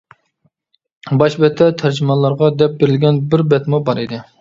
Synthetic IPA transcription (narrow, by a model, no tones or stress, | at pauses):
bɑʃbɛt̪ʰːɛt̪ʰæɾd͡ʒimɑlˠːɑɾʁɑd̪ɛp̚beɾɪlɡʲɛnbɪɾbɛt̪mubɑɾid̪ɪ